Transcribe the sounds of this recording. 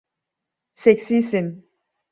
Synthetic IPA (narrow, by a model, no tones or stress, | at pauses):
seksisin